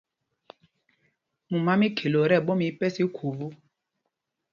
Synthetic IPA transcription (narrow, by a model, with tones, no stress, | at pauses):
mu˨ma˦mi˦kʰe˨lo˨ɾɛ˦˨ɓo˦mi˨˦pɛ˦si˦kʰo˨vu˦